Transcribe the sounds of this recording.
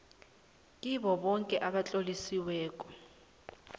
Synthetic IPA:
k̬ʼiβɔβɔŋkʼɛʔaβat͡ɬʼolisiwɛːkʼɔ̥

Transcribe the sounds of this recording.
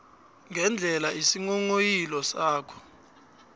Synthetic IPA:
ŋʱɛnd͡ɮʱɛlaisiŋɔŋojilɔsaːkʰɔ̥

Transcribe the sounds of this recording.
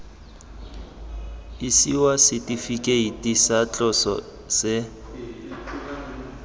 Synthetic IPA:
isiwasɪtʼifikʼeitʼisat͡ɬʼɔsɔ̰ | sɪ

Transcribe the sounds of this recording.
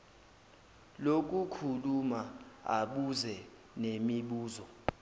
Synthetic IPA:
lok̬ʼukʰulumaa̰ɓuzɛ | nemiɓuːzɔ

